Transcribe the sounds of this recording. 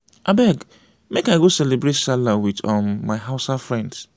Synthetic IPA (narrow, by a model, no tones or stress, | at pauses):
ʔabɛɡ | mekaɪɡosɛlebɾetsalawitɔ̃mːaɪɦaʊsafɹɛ̃nds